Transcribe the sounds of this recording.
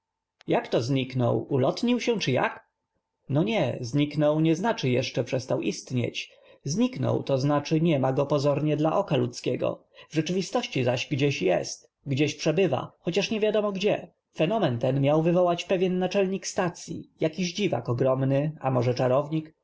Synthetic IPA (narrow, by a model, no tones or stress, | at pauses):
jakt̪ɔzɲiknɔ̰wulɔt̪ɲiwɕɛ̃t͡ʂɘja̰k | nɔɲɛzɲiknɔwɲɛznat͡ʂɘjɛʂt͡ʂɛpʂɛst̪awʔist̪ɲḛt͡ɕ | zɲiknɔ̰wt̪ɔznat͡ʂɘɲɛmaɡɔpɔzɔɾɲɛd̪laʔɔkalut̪skʲɛɡɔ̰ | vʐɛt͡ʂɘvʲist̪ɔɕt͡ɕizaɕɡd͡ʑɛɕjɛ̰st̪ | ɡd͡ʑɛɕpʂɛbɘva̰xɔt͡ɕaʂɲɛvʲjad̪ɔmɔɡd͡ʑɛ | fɛnɔmɛnt̪ɛnmʲjawvɘvɔwat͡ɕpɛvʲjɛnːat͡ʂɛlɲikst̪at̪sʲjḭjakʲiʑd͡ʑiva̰kɔɡɾɔmnɘamɔʐɛt͡ʂaɾɔvɲik